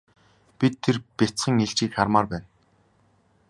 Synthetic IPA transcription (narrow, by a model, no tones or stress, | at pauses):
pʲit̪ʰːerpʲet͡sχə̆ŋeɮt͡ɕiːkχarmaːrpæːn